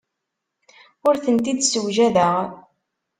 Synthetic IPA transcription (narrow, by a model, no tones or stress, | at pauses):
ʊɾθənt̪id̪səwʒæðəʁ